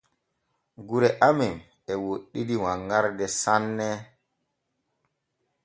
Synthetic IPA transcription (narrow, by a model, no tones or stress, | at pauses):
ɡuɾɛʔamɛm | ɛwoɗːidiwaŋɡaɾdɛsanːɛ